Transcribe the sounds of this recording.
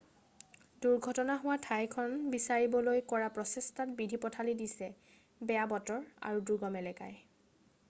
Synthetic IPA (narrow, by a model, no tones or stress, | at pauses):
duɹɡʱɔtɔnaɦʊwatʰajkʰɔnbisaɹibɔlojkɔɹapɹɔsestʰatbidʱipɔtʰalidisɛ | bɛjabɔtɔɹa̰ɹuduɡɔmɛlɛka̰j